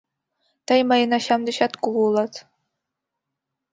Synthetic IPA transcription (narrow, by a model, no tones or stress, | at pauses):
t̪ɑjmɑjɤ̆nɑɕɑmd̪ɤ̆ɕɑt̪kululˠɑt̪